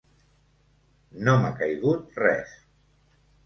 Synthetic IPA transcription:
nomakajɣut̪̚rɛ̰s

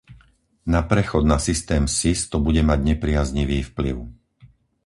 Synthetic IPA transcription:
napɾɛxɔd̪nasist̪ɛːmsist̪ɔbuɟɛmaɟɲɛpɾɪazɲiʋiːfplḭʊ

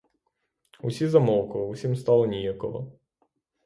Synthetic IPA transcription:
usʲizɐmɔwkɔusʲimst̪ɑlˠɔnʲijakɔɦɔ̰

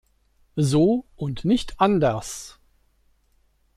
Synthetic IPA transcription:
zoːʔʊntnɪçtʰʔandəɐs

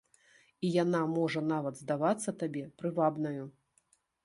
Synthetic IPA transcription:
ijanamɔʐɐnavɐd̪zd̪avat̪sːɐt̪abʲɛpɾɨvabnɐju

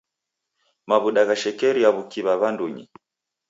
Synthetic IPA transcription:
maβuɗaɣaʃɛkɛɾiaβukiβaβanduɲḭ

